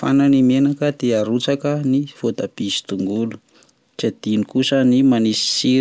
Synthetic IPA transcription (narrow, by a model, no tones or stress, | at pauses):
fa̰nanimenakəd̪eaɾut͡sakəniv̥od̪ab̥isi̥t̪uŋɡulu̥ | ʈ͡ʂed̪̥inikusənimanisi̥si